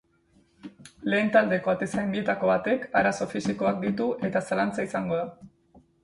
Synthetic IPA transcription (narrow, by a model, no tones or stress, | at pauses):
le̞ːnt̪ald̪e̞ko̞at̪e̞sajmbie̞t̪ako̞βat̪e̞kaɾaso̞fisiko̞ak̚d̪it̪uʔe̞t̪asalant͡saisaŋɡo̞ða